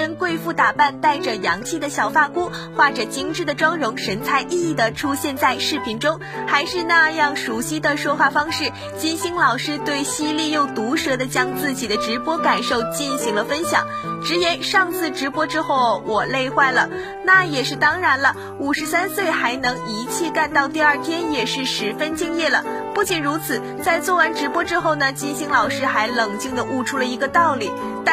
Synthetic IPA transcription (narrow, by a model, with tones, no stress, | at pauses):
ə˧˥nkwe˥˧ɪfu˥˩t̪a˨˩pa˥˧nt̪a˥˩ɪʈ͡ʂə˩jɑ˧˥ŋt͡ɕʰi˥˩d̪ə˩ɕjɑ˨˩ʊfa˥˩ku˥ | xwa˥˩ʈ͡ʂɤ˨˩t͡ɕi˥ŋʈ͡ʂɻ̩˥˩d̪ə˩ʈ͡ʂwɑ˥ŋɻʊ˧˥ŋʂə˧˥nt͡sʰa˧˥ɪʔi˥˧i˥˩d̪ə˩ʈ͡ʂʰu˥ɕjɛ˥˧nt͡sa˥˧ɪʂɻ̩˥˩pʰi˧˥ŋʈ͡ʂʊ˥ŋ | xa˧˥ɪʂɻ̩˥˧na˥˧jɑ˥˩ŋʂu˧˥ɕi˥d̪ə˨ʂwɔ˥xwa˥˩fɑ˥ŋʂɻ̩˥˩ | t͡ɕi˥nɕi˧˥ŋlɑ˨˩ʊʂɻ̩˥t̪we˥˩ɪɕi˥li˥˧jo˥˩ʊt̪u˧˥ʂɤ˧˥d̪ə˧t͡ɕjɑ˥ŋt͡sɹ̩˥˩t͡ɕi˨˩d̪ə˦ʈ͡ʂɻ̩˧˥pwɔ˥ka˨˩nʂo˥˧ʊt͡ɕi˥˩nɕi˧˥ŋlə˧fə˥nɕjɑ̰˨˩˦ŋʈ͡ʂɻ̩˧˥jɛ˧˥nʂɑ˥˧ŋt͡sʰɹ̩˥˩ʈ͡ʂɻ̩˧˥pwɔ˥ʈ͡ʂɻ̩˥xo˥˩ʊwɔ˨˩le˥˧ɪxwa˥˩ɪlə˩ | na˥˩jɛ˨˩ʂɻ̩˥˩t̪ɑ˥ŋɻa˧˥nlə˧ | u˨˩ʂɻ̩˧˥sa˥nswe˥˩ɪxa˧˥ɪnɤ˧˥ŋi˧˥t͡ɕʰjɛ˥˧ka˥˧nt̪ɑ˥˧ʊt̪i˥˧ɐ˞˥˩t̪ʰjɛ˥njɛ˨˩ʂɻ̩˥˩ʂɻ̩˧˥fə˥nt͡ɕi˥˧ŋjɛ˥˩lə˩pu˥˩t͡ɕi˨˩nɻu˧˥t͡sʰɹ̩˨˩˦ | t͡sa˥˧ɪt͡swɔ˥˩wa˧˥nʈ͡ʂɻ̩˧˥pwɔ˥ʈ͡ʂɻ̩˥xo˥˩ʊnə˩t͡ɕi˥nɕi˥ŋlɑ˨˩ʊʂɻ̩˥xa˧˥ɪlɤ˨˩ŋt͡ɕi˥˩ŋd̪ə˨ʔu˥˩ʈ͡ʂʰu˥lə˨i˧˥ɡə˧t̪ɑ˥˩ʊli˨˩˦ | t̪